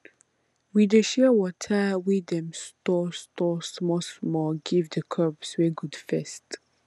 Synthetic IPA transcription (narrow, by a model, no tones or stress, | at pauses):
wideʃɛwɔtʰəwidɛ̃mstɔstɔsmɔsmɔɡivdəkʰɔbsweɡudfɛst